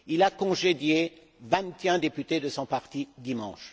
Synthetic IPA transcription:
ilakɔ̃ʒed̪je | vɛ̃t̪eɛ̃d̪epyt̪ed̪əsɔ̃paʁt̪id̪imɑ̰̃ʃ

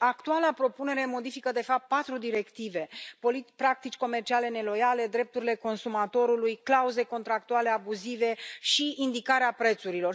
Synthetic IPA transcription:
akt̪ualapɾo̞pune̞ɾe̞mo̞d̪ifikəd̪e̞fap̚t̪̚pat̪ɾud̪iɾe̞kt̪ive̞polipɾak̚t̪it͡ʃʲko̞me̞rt͡ʃiale̞ne̞lo̞jale̞d̪ɾe̞p̚t̪uɾile̞ko̞nsumat̪o̞ɾulujklauze̞ko̞nt̪ɾak̚t̪uale̞abuzive̞ʃiind̪ikaɾeapɾe̞t̪suɾilo̞r

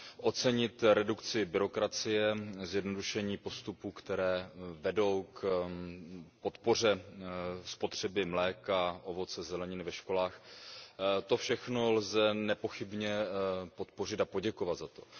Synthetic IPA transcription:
ʔo̞t͡sɛɲɪt̪ɾɛdukt͡sɪbɪɾo̞kɾat͡sɪjɛzjɛdno̞duʃɛɲiːpo̞st̪upuːkt̪ɛɾɛːvɛdo̞wk | po̞t̪po̞r̝ɛ | spo̞t̪r̝̥ɛbɪmlɛːkaʔo̞vo̞t͡sɛzɛlɛɲɪnvɛʃko̞laːx | t̪o̞fʃɛxno̞lzɛnɛpo̞xɪbɲɛpo̞t̪po̞r̝ɪt̪apo̞ɟɛko̞vat̪zat̪o̞

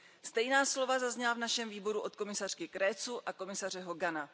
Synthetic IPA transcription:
st̪ɛjnaːslo̞vazazɲɛlavnaʃɛmviːbo̞ɾuʔo̞t̪ko̞mɪsar̝̥kɪkɾɛːt͡suʔako̞mɪsar̝ɛɦo̞ɡana

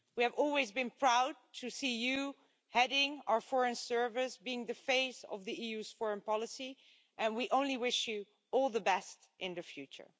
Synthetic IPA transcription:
wiɨvɔlˠwizbɨ̃npʰɹ̥aʊd̚tʰɨsiju | hɛɾɪ̃ŋaʊə˞fɔɹɨ̃nsɜ˞vɪsbiɪ̃ŋðɨfeɪsʌ̰vðiijʉz̥fɔɹɨ̃npɑlˠəsi | ʔɨ̃nwiʔõʊ̃nliwɪʃju | ɔlˠðəbɛst | ʔɪ̃nðɨfjʉt͡ʃə̰˞

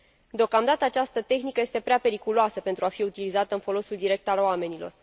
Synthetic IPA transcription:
d̪eo̞kamd̪at̪əat͡ʃast̪ət̪e̞xnikəje̞st̪epɾeape̞ɾikuloasəpe̞nt̪ɾuafiut̪ilizat̪əɨnfo̞lo̞suld̪iɾe̞k̚t̪aloame̞nilo̞̰r

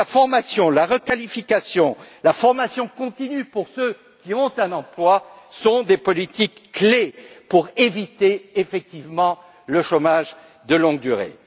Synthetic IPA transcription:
lafɔʁmasjɔ̃laʁəkalifikasjɔ̃lafɔʁmasjɔ̃kɔ̃t̪inypuʁsø | kʲiɔ̃t̪ɛ̃nɑ̃plwa | sɔ̃d̪epɔlit̪ikːlepuʁevit̪eefɛk̚t̪ivmɑ̃ | ləʃomaʒ | d̪əlɔ̃ɡ̚d̪yʁḛ

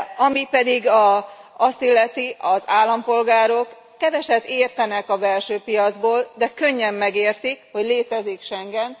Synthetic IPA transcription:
ɒmipɛd̪iɡɒɒst̪ilːɛt̪iʔɒzaːlːɒmpo̞lɡaːɾo̞kː | ɛvɛʃɛbeːrt̪ɛnɛkɒbɛlʃøːpijɒd̪zboːld̪ɛkøɲːɛmːɛɡeːrt̪ikho̞ɟleːt̪ɛzikʃɛŋɡɛn

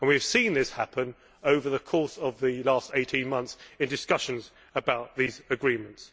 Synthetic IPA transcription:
ə̃nwiv̥sĩnðɪshapə̃n | əʊvəðəkʰɔˑsəvðəlɑˑsteɪtʰĩnmʌ̃nθsɪ̃ndɨskʌʃə̃nz | əbaʊʔðiːzəɡɹĩmə̃nts

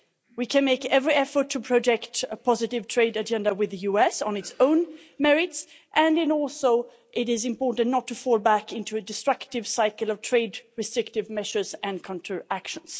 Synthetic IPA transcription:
wikʰɨ̃nmeɪkɛvɹiɛfə˞tʰːɨpʰɹ̥ɨd͡ʒɛktəpʰɑzɨɾɪv̥tʰɹ̥eɪdɨd͡ʒɛ̃ndəwɨðɨjʉɛsn̩ɨtsõʊ̃n | mɛɹɪts | ʔɨ̃nɨ̃nɔlˠsoʊ | ʔɪɾɪzɨ̃mpɔɹʔn̩nətʰːɨfɔlˠbækɪ̃ntʉɨdɨstɹ̥ʌktɪv̥saɪkl̩ˠʌv̥tʰɹ̥eɪdɹɨstɹ̥ɪktɨvmɛʃə˞zɨ̃nkʰɔ̃ntʰəækʃə̃n̩z̥

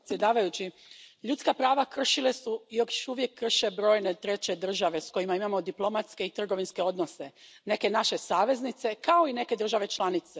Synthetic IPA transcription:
t̪sje̞d̪aːʋajut͡ɕi | ʎut̪skapɾaːʋakr̩ʃile̞suijokjoʃuʋje̞kːr̩ʃe̞bɾo̞ːjne̞t̪ɾe̞t͡ɕe̞d̪r̩ʒaʋe̞sko̞imaimamo̞d̪iplˠo̞mat̪ske̞it̪r̩ɡo̞ʋinske̞o̞d̪no̞se̞ | ne̞ke̞naʃe̞saːʋe̞znit̪se̞kao̞ine̞ke̞d̪r̩ʒaʋe̞t͡ʃlˠanit̪se

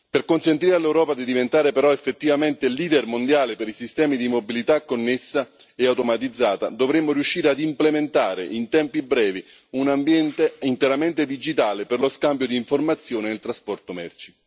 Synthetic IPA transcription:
perkonsent̪iːɾealːewɾɔːpad̪id̪ivent̪aːɾepeɾɔefːet̪ːivament̪eliːd̪ɛrmond̪jaːlepeɾisist̪ɛːmid̪imobilit̪akːonːesːa | eawt̪omat̪id̪zːaːt̪a̰d̪ovɾemːoɾijuʃːiːɾead̪implement̪aːɾḛʔint̪ɛmpibɾɛːvi | unambjɛnt̪eint̪eɾament̪ed̪id͡ʒit̪aːleperloskambjod̪iːɱformat̪sːjoːnenɪlt̪ɾaspɔrt̪omɛ̰rt͡ʃi̥

